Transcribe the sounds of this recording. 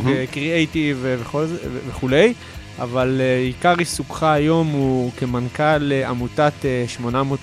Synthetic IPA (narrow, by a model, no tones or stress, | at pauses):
ekʁiejtiveveχolzeveχule̞j | a̰valeikaʁisukχaːjo̞mukemankalea̰mutateʃmo̞namot